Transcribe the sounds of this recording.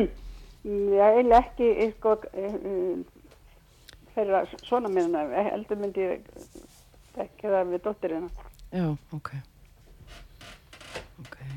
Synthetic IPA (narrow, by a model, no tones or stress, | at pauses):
jɛɣelɛhcɪʔekɔ | fɛɾɾasɔːnamennaɛ̰ɛ̰lt̪ʏmʏnt̪ɪ̰ | t̪ɛhkɪθamɛt̪oht̪ɪɾɪnːajaːokʰej | okʰej